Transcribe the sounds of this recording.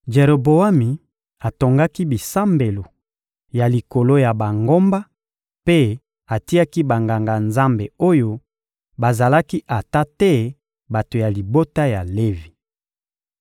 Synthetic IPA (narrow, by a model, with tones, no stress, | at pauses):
d͡ʒe˨ʁo˨bo˨a˦mi˨ | a˨to˨ŋɡa˦ki˦bi˨sa˦mbe˨lo˨ | ja˨li˨ko˨lo˦ja˨ba˨ŋɡo˦mba˦ | pe˦ | a˨ti˦ja˦ki˦ba˨ŋɡa˨ŋɡa˨nza˦mbe˨o˦jo˦ | ba˨za˨la˦ki˦ʔa˨ta˦tɛ˦ | ba˨to˨ja˨li˨bo˦ta˦ja˨le˦vi˨